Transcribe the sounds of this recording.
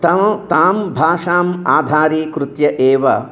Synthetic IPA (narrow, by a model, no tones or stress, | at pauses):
t̪ɐmɐt̪aːmbʱaːʂaːmaːd̪ʱaːɾiːkɾut̪jɐʔeːʋɐ